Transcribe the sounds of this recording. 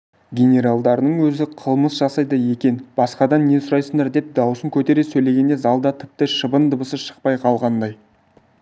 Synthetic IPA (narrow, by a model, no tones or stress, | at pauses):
ɡʲenʲe̞ɾalˠd̪ɑɾənəɴwɵzɪqʰəlˠməsʒ̥ɑsɑjd̪əje̞kʲe̞nb̥ɑsqɑd̪ɑnːe̞sʊɾɑjsəɴd̪ɑɾd̪e̞p̚d̪ɑwəsəŋkʲʰɵt̪e̞ɾe̞sɵjle̞ɡʲe̞nd̪e̞zɑlˠd̪ɑt̪ʰɪ̥p̚t̪ɪʃəbənd̪əbəsəʃə̥q̚pɑjqʰɑlˠʁɑnd̪ɑj